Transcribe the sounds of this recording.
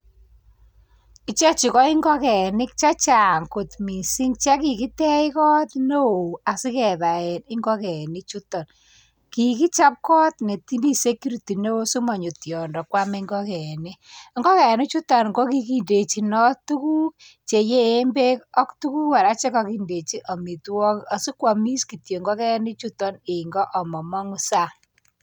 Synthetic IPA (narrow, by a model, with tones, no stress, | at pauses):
i˦t͡ʃa˦t͡ʃi˨kɔ˦i˦ŋɡɔ˦kɛ˨nɪ˦k̚t͡ʃa˦t͡ʃa˨ŋko˨tmi˨si˦ŋt͡ʃa˦ki˨ki˦tɛ˦ɪ˦kɔ˦tno˦o˨a˨si˦kɛ˨ða˨ɛ˨nɪ˦ŋɡɔ˦kɛ˨ni˦t͡ʃu˦tɔ˨n | ki˨ki˦t͡ʃa˦p̚kɔ˦t̪ne˨ti˦mi˦se˦kːi˦ɾu˨ti˨ne˦o˦su˦mɔ˨ɲo˨tjɔ˨ndɔ˨kwa˦me˦ŋɡɔ˦kɛ˨ni˦ŋɡɔ˦kɛ˨ni˦t͡ʃu˦tɔ˨nŋɡo˦ki˦ki˦nde˨t͡ʃi˨nɔ˦tu˦ku˦k | t͡ʃe˨jeː˦mbe˦kɔ˦ktu˦ku˦ka˨ɾa˦t͡ʃe˦kɔ˦ki˦nde˨t͡ʃi˦ʔɔ˨mi˨twɔ˦ka˨si˦kwa˨mi˦ski˨tje˨ŋɡɔ˦kɛ˦ni˦t͡ʃu˦tɔ˦ne˨ŋɡɔ˦ʔɔ˨mɔ˨mɔ˦ŋu˨sa˦